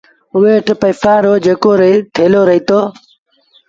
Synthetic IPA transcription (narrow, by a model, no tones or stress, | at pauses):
ʊʋeːʈʰpəːfãːɾoːd͡ʒeːkoːɾt̪ʰeːloːɾəɦiːt̪oː